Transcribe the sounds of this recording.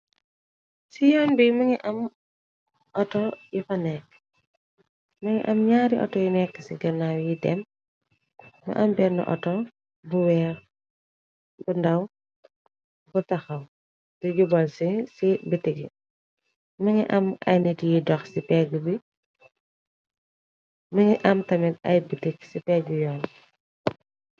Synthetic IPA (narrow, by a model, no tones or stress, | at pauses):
sijɔːnbimɐŋiʔɐm | ʔɔtɔjifɐnɛkː | mɐŋḭʔɐmɲaːɾiʔɔ̰tɔjinɛkːəsiɡɐnawjidɛ̰m | mɐ̰ʔɐmbɛɾnə̰ʔɔ̰tɔ | buwɛːɾ | bundɐw | butɐxɐw | duɟubɐlsisibitːiɡḭ | mɐŋiʔɐmɐ̰jnitijidɔxsipɛɡubi | mɐŋiʔɐmtɐmitɐ̰jbitiksipɛːɡujɔːn